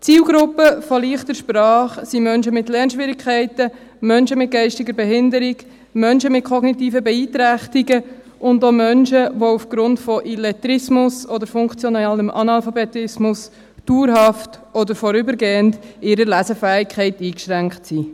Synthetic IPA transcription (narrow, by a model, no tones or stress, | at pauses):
t͡siːlɡɾʊpːəfɔliːχtəɾʃpɾɑːχsimœnʃəmɪtlɛɾnʃʋɪɾɪkʰχɛɪtə | mœnʃəmɪt̚ɡ̥ɛɪʃtɪɡəɾbɛɦɪndəɾɪɡ | mœnʃəmɪt̚kʰɔɡnitiːfəbɛiːtɾæχtiɡə | ʔʊndomœnʃəʋoufɡ̥ɾʊntfɔʔilɛt̪ɾɪsmʊsɔdəɾfʊŋkt͡sjɔnɛləmʔɑnɑlfɑbɛtɪsmʊs | d̥uːɾɦɑftɔdəɾfɔɾʏbəɾɡeːəndɪɾəlæzəfæːɪkχɛɪtiːkʃɾæŋktsi